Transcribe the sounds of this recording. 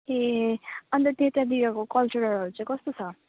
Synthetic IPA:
eʌnt̪ʌt̪et̪ad̪iɾʌkokʌlt͡ʃuɾʌɾʌɾut͡sʰʌ̃kʌst̪ot͡sʰʌ

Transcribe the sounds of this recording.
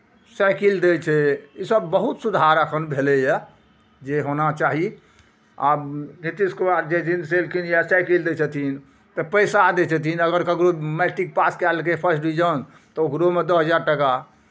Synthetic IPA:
sajkild̪et͡ʃʰɛisəbːəɦut̪sud̪ʱaɾəkʰənbʱelɛja | d͡ʒeɦonat͡ʃaɦi | abnit̪iskobaɾd͡ʒed͡ʒind̪selkʰinjasajkild̪et͡ʃʰət̪ʰin | t̪ɔpəjsad̪et͡ʃʰət̪̬ʰinəɡəɾkəɡɾomɛʈik̚paskɛlkepʰəɾsʈɾid͡ʒən | t̪ɔoɡɾomed̪əɦəd͡ʒaɾʈəka

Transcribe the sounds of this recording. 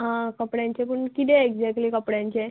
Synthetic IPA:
ɦãkəpɽjãɲt͡ɕepuɳkit̪eeɡd͡zɛk̚ʈlikəpɽjãɲt͡ɕe

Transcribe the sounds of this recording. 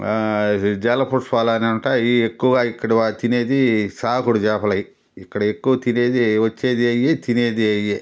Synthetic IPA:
d͡ʒɛːlɐpʰuɾspaːlaːneuɳʈaːiekːuʋɡaːikːɐɽiʋat̪ine̞ːd̪isaːkuɽud͡ʒɛːpɐlɐji | ikːɐɽɐekːuʋɐt̪ineːd̪iʋɐt͡ʃːe̞ːd̪iɐjːeːt̪ineːd̪iɐjːeː

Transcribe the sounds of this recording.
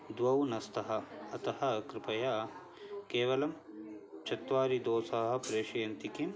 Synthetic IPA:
d̪wɐwnɐst̪ɐɦɐ̆ɐt̪ɐhɐkɾɪpɐjaː | keːʋɐlɐm | t͡ʃɐt̪ʋaːɾid̪oːsaːɦɐ̆pɾeːʃɐjɐnt̪ikim

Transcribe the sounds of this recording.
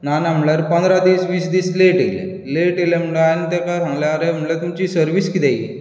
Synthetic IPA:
nanamlaɾpə̃nd̪ɾad̪iːsʋiːsd̪iːsleʈelɛ̰ | leʈelɛm̤uɽeanit̪akaɾãŋlaːɾeɦamlat̪umt͡ɕisəɾʋiːskit̪ɛaji

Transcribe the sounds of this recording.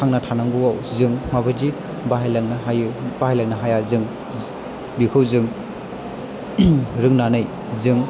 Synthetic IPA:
aŋnatʰanaŋɡuawzɯŋmabɯd͡ʒi | baɦajaŋnajb̥ahajlaŋnaɦajazɯŋ | bikʰɯwzɯŋ | ɾɯŋnanɯj | zɯŋ

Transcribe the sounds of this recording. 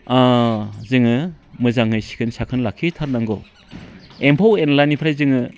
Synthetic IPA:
azɯŋɯmɯzaŋɯjsi̥kʰɯnsakʰɯnlakʰitʰaɾnaŋɡɔ | empʰawenlanipʰɾajzɯŋɯ

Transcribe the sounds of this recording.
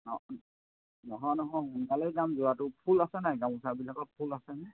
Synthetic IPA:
nɔ | nɔɦɔ̃jnɔɦɔ̃jhunkalɛjɡamzʊwatʊpʰulasɛnajɡãmusaɹbilakɔt̚pʰulasɛnɛ

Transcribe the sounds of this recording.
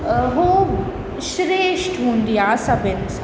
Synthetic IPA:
ɦoː | ʃɾeːʃʈɦũːnd̪ijaːsɐbɪns

